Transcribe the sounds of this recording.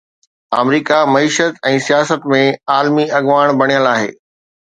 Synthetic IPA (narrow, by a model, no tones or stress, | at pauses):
a̰ːmɾiːkamɐiːʃət̪ɛ̃ːsijaːsət̪mẽaːlmiɐɠʋaːɽ̃bʱɐɽ̃ijəlaːɦḛː